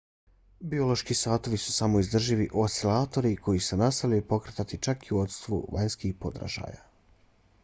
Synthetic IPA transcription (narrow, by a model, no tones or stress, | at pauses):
bio̞lˠo̞ʃkiːsaːt̪o̞ʋisu̥samo̞izd̪r̩ʒiʋiʔosilˠaːt̪o̞ɾikʰo̞jisunast̪alʲiepo̞kɾet̪at̪it͡ʃakiuo̞t̪st̪ʋṵʋaɲskixpo̞d̪ɾa̰ʒa̰ːja̰